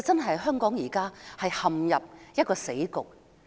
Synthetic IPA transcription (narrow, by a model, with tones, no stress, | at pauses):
t͡sɐ˥nɦɐ˨jɦœː˥ŋkɔː˨˥ŋjiː˨˩kaː˥hɐ˨jhɐ˨mjɐ˨p̚jɐ˥t̚kɔː˧se˨˥jkʊ˨k̚